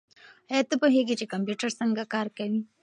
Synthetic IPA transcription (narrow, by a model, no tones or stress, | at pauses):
ajat̪əpoɦeɡit͡ʃekampjuʈəɾsəŋɡakɑɾkawi